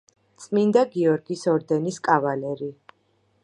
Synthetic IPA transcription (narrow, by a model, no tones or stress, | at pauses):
t̪sʼmind̪aɡiɔɾɡisɔɾd̪ɛniskʼavalɛɾi